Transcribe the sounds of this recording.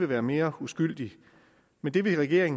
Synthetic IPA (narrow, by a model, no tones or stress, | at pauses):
e̝ʋæːɐme̝ːɐusɡ̥yl̰d̥i | mend̥e̝ʋe̝ʁɛɡ̥e̝ɐe̝ŋ